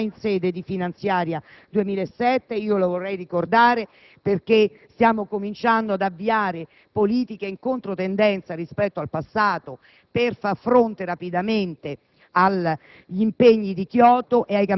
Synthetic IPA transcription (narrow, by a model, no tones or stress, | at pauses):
insɛːd̪ed̪ifinant̪sjaːɾja | d̪uemiːlaesːɛt̪ːeiːolovorːɛjrikord̪aːɾe | perk̟e | st̪jaːmokomint͡ʃand̪oad̪avːiaːɾe | poliːt̪ikeiŋkont̪ɾot̪end̪ɛnt̪saɾispɛt̪ːoalpasːaːt̪o | perfarfɾont̪eɾapid̪ament̪e | al | ʎiimpeɲːid̪ikjɔːt̪oʔeajka